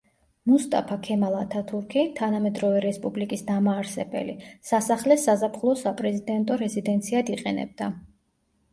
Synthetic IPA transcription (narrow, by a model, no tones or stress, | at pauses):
must̪ʼa̰pʰakʰɛmalˠat̪ʰat̪ʰuɾkʰit̪ʰanamɛd̪ɾɔvɛɾɛspʼublikʼisd̪amaːɾsɛbɛ̰lḭsasaχlɛsazapʰχlˠɔsapʼɾɛzid̪ɛnt̪ʼɔɾɛzid̪ɛnt̪sʰiad̪iqʼɛnɛ̰b̚d̪a